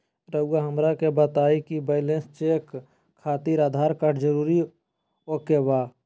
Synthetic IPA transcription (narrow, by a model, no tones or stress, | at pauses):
ɾəuaɦəmɾakebat̪aːikibeːlẽnst͡ʃeːk | kʰːaːt̪iːɾaːd̪ʱaːɾkəʈʰd͡ʒəɾuːɾi | oːkewaː